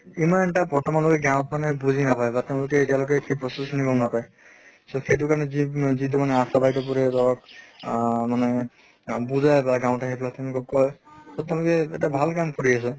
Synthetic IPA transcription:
imantabɔɹtɔmanlokɛɡãwʊ̃tmanɛbuzʱinapajbateʊ̃lʊkɛːtijalokɛkʰipɹɔsesnibɔlnapaj | soxejt̬ukaɹɔnɛzizitumanɛasabajtɔp̬ɔɹɛzɔɹɔk | manɛ | buzajbaɡãw̃taxepʰɔlateʊ̃lʊkɔkːɔjsoteʊ̃lʊkɛɛtabʱalkamkoɹias̬ɛ

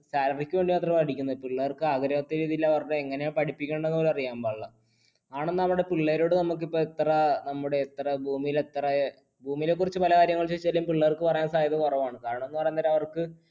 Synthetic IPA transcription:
saːlɐrikʲːuʋe̞ːɳɖimaːt̪rɐmpɐɽikʲːunːɐðpiɭːɐɐrkɨaɡɾɐʋɐt̪ːiɾiːðilːɐʋɐrɽeeŋːɐnepɐɽipːikʲːeːɳɖɐenːɐoːɾɐrijaːmbaːɭːɐ | aːɳenːɐʋɐɽe̞piɭːɐɾo̞ːɽɨnɐmuk̬ːipːoet̪ːrɐnɐmːuɽe̞ːt̪ːrɐbʱuːmijilet̪rɐ | bʱuːmijile̞k̬ːurit͡ɕːɨpɐlɐkaːɾjɐŋːɐɭt͡ɕet͡ɕːɐlːiumpiɭːɐɐrkɨpɐrɐjaːnsaːjɐðɐkorɐʋmaːɳɨkaːɾɐɳɐ̃onːɨpɐrɐjːnːɐðɐɾɐʋɐrkɨ

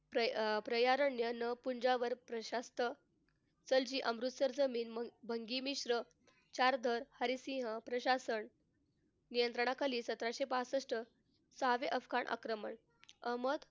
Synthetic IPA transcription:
pɾəpɾəjaɾəɳjənəpuɲd͡ʑaʋəɾpɾəɕast̪ə | t͡səld͡ʑiːʔəmɾut̪səɾd͡zəmiːnbʱəŋɡimiɕɾə | t͡ɕaɾd̪ʱəɾhəɾisĩɦəpɾəɕasəɳ | nijənt̪ɾəɳ̃akaliːsət̪ɾaɕepasəsʈə | saʋeʔəfkaɳʔa̰kɾəməɳ | əməd̪

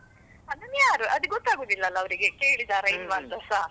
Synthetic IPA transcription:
ɐd̪unjaːɾuʔɐd̪uɡɔt̪ːaːɡoːd̪ilːɐːlːɐːʋɐɾiɡeke̞ːɭid̪aːɾeinʋaːnt̪ɐsaɦ

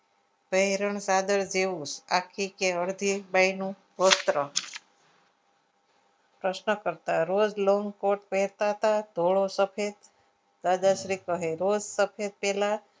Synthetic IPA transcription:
pəɦɾəɳsad̪əɾd͡ʒeʋũsa̰kʰikeəɽd̪ʱibajnũ | ʋəst̪ɾə | pɾəʃnəkəɾt̪aɾod͡ʒloŋkoʈpeɾt̪aɦət̪ad̪ʱoɭosəpʰet̪ | d̪ad̪aʃɾikəɦeɾod͡ʒsəpʰet̪̚pɛla

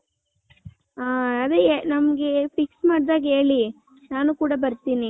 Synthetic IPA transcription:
aːɐd̪enɐmɐɡepiksmaːɽid̪aːɡɐeːɭi | naːnukuːɽɐbɐɾt̪iːni

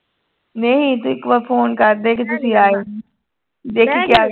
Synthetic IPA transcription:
nɐɦĩt̪uɪkʋəfoːnkɐɾd̪ek̬et̪̬ʊsĩaːeː | d̪eːkʰikjaː

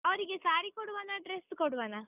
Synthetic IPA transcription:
ɐʋɐɾiɡesaːɾikoɽuʋaːnaɖɾeskoɽuʋaːnaː

